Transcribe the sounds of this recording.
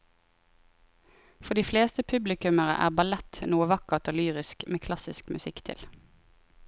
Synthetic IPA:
fɔd̪iːfleːst̪əpʰʉblɪkʉməʁə̰ʔæ̰ːʁbɑlɛt̪nuːəʋɑkəʁt̪oːlyːʁɪskmeːkʰlɑsɪskmʉsɪkt̪ʰɪ̰l

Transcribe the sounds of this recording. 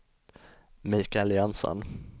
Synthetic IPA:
miːkaljɑnsɔ̰n

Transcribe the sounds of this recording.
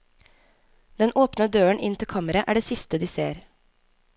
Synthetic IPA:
d̪ɛnʔoːpnəd̪øːəɳʔɪ̰nt̪ʰɪlkʰɑːməɾəʔæːɖeːsɪst̪əd̪iːsḛːɾ

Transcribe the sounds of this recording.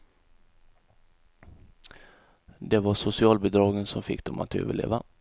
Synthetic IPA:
d̪eːʋɑːsʊsɪɑːlbəd̪ɾɑːɡənsɔmfɪk̚d̪ɔmʔa̰t̪ʰø̰ːʋəɭḛːʋa

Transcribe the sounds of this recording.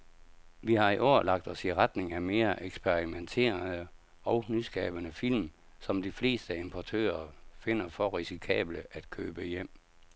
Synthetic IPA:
ʋihɑ̈iʔɒːɐlɑ̈ɡ̥̚d̥ɒ̽siʁad̥ne̝ŋæme̝ːɐʔeɡ̥sb̥ʰeʁiment͡sʰe̝̰ːɐnə | ɒ̽ʊnysɡ̥ɛ̰ːb̥ənəfil̰m | sɒ̽md̥ifle̝̰ːsd̥əe̝mpʰɒt͡sʰø̰ːɐfe̝n̰ɐfɒ̽ʁisikʰɛ̰ːb̥ləʔæd̥kʰø̰ːb̥əjem̰

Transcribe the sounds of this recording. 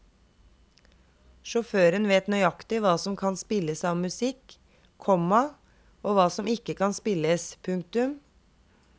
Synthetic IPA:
ʃɔføːɾənʋeːt̪nœʏɑkt̪ɪʋɑːsɔmkʰɑnspɪləsɑːʋmʉsɪkʰ | ɔmɑ | oːʋɑːsɔmɪkəkʰɑnspɪləspʰʉŋk̚t̪ʉm

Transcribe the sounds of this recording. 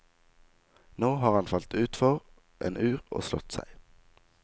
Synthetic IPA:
noːhɑːʁhɑnfɑlt̪ʉːt̪fɔʁ | ʔḛːnʔʉːʁo̰ːslɔt̪sæ̰ɪ

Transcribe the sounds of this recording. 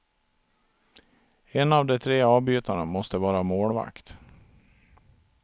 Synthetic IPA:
ɛnavd̪ɛt̪ʰɾeːɑːvbyːt̪aɳamɔst̪əvɑːɾamoːlva̰kt̪

